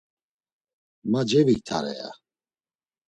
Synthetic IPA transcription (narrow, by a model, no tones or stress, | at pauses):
mad͡ʒɛvit̪ʰa̰ɾɛ̰a̰